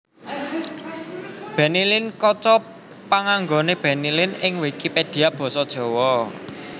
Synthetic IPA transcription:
b̥ɛ̤nilɪnkɔt͡ʃɔ | paŋaŋɡoneb̥ɛ̤nilɪnɪŋwekiped̪̥i̤ab̥ɔ̤sɔd̥ʒ̥ɔ̤wɔ

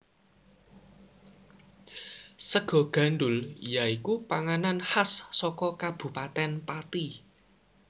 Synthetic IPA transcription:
səɡ̥ɔ̤ɡ̥a̤nɖʊljaikupaŋananhasːɔkɔkab̥ṳpat̪ɛnpat̪i

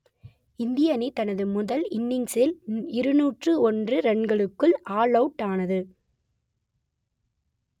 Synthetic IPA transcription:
ɪnd̪ɪjɐnɪt̪ɐnɐðɯmʊðɐlɪnːɪŋsɪlɪɾɯnuːʈrɯɔndrɯɾɛɳɡɐɭɯkːɯɭʔaːɭɐʊʈːaːnɐðɯ

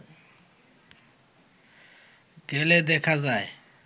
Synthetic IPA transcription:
ɡ̥ɛlɛd̪ɛkʰazaːjɛ

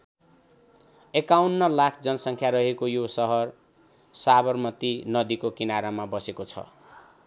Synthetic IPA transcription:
ekawnːʌlakʰd͡zʌnʌsʌŋkʰjaɾʌɦekojosʌɦʌr | sabʌrmʌt̪inʌd̪ikokinaɾamabʌsekot͡sʰʌ̰

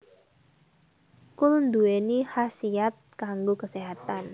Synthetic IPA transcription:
kulund̪uenihasiat̪̚kaŋɡokəseɦat̪an

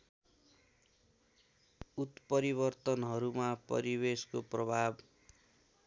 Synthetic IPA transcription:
ut̪pʌɾiβʌrt̪ʌnɦʌɾumapʌ̰ɾibeskoprʌbʱab

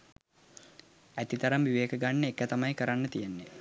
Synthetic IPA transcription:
æt̪it̪aɾamʋiʋeːkəɡanːəekːət̪amajkəɾanːət̪ijenːe

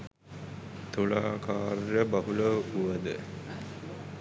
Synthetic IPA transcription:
t̪uɭaːkʰaːrjəbɐɦuləuʋəd̪ə

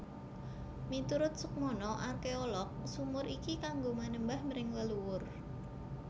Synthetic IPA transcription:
mit̪uɾʊt̪̚sək̚mɔnɔʔarkeɔlɔk̚sumʊɾikikaŋɡomanəmbahməɾɪŋləluwʊr

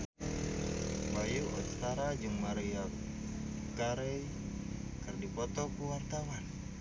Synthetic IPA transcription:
bajuʔɔ̰t͡ʃt̪aɾad͡ʒuŋmaɾia | kaɾɛj | kɨrdipɔt̪ɔkuwart̪awan

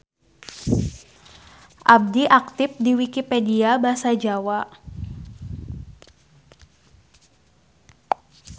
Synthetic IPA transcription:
ʔab̚diʔak̚t̪ɪf̚diwikipediabaɦsad͡ʒawa

